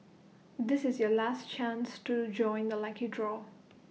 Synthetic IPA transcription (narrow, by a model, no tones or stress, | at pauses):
d̪ɪsɪzjɔlastt͡ʃãnstud͡ʒɔ̃ɪ̃nd̪əlakidɹɔ